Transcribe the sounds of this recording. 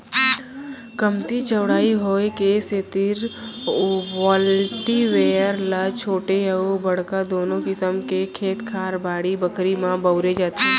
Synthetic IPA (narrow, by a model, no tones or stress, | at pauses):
kəmt̪it͡ʃəʋɽaːiɦoːekeːset̪ɪɾ | wɔːlʈiʋeːəɾlat͡ʃʰoːʈeəobɐɽ̤kad̪oːnõkɪsəmkekʰeːt̪kʰaːɾbaːɽibəkɾimãbəʊɾed͡ʒaːt̪e